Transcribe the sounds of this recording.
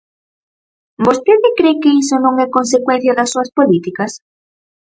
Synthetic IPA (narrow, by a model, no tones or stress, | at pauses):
bost̪eðekɾekeisonõŋɛkons̬ekwẽn̟θjaðasːuaspolit̪ikas